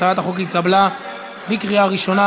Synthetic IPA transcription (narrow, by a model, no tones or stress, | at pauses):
aat̪aχok̬ikabla | bikʁiaʁiʃo̞na